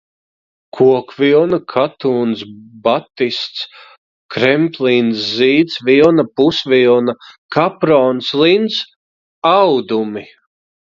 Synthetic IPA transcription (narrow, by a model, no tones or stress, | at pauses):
kʰuɔkvilˠnakʰat̪uːnsbat̪ːist̪s | kɾɛmplinsziːd̪svilˠnapusvʲilˠnakapɾɔːnslˠins | awd̪umi